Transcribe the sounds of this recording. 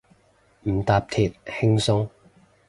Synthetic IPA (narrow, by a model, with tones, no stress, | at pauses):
m̩˨˩t̪aː˨˧p̚t̪ʰiː˨˩t̚hɪ˥ŋsʊ˥ŋ